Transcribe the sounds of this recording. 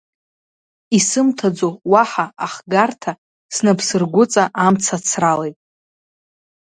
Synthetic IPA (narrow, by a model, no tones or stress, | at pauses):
isɨmtʰad͡zowaħaaχɡartʰa | snapʰsɨrɡʷʊt͡sʼaʔamt͡sʰat͡sʰralejtʼ